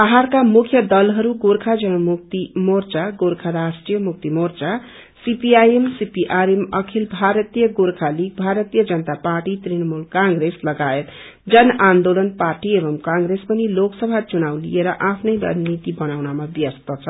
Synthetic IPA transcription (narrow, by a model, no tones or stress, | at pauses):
aɦarkamukʰjʌd̪ʌlɦʌɾuɡoɾkʰad͡zʌnʌmuk̚t̪imort͡saɡoɾkʰaɾasʈrijʌmuk̚t̪imort͡sa | sipiajemsipiʔaɾemʌkʰilbʱaɾʌt̪ijʌɡoɾkʰalik̚bʱaɾʌt̪ijʌd͡zʌnət̪aparʈit̪rinʌmulkãŋɡreslʌɡaet̪ | d͡zʌnand̪olʌnparʈiebʌmkãŋɡɾespʌniloksʌbʱat͡sunawlḭjeɾʌʔapʰnʌjɾʌ̰nit̪ibʌnawnamabjʌst̪ʌt͡sʰʌ